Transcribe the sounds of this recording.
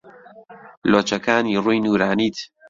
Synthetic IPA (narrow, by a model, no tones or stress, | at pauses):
loːt͡ʃɐkaːniːruːjnuːɾaːniːt̪